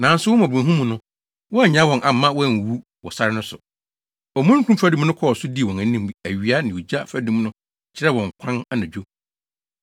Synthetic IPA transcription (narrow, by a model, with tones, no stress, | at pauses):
nã˨˦n̩˦sʊ˦wʊ˦mã˨bɛ̃˨ɦũ˦mũ˨nʊ̃˦ | wɔ˦a˦˨ɲã˦wɔ̃˨nʔa˨m˨˦mã˦wɔ˦˨n˨wu˦ | wɔ̰˨sa˦ɾɪ˦nʊ̃˦sʊ̰˨ | ɔ˨mũ˦kʰũ˦fa˦dũ˦m˦nʊ̃˦kʰɔ˦ɔ˨sʊ˦di˦˨wɔ̃˨næ̃˨˦nĩ˦m˨æ˨ɥi˨˦a˦nɪ̃˨wu˨d͡ʑa˦fæ˨˦dũ˦m˦nʊ̃˦ | t͡ɕʰɪ˦ɾɛ˦˨wɔ̃˨ŋ˨kʷʰã˦na˦nã˨d͡ʑᶣo˦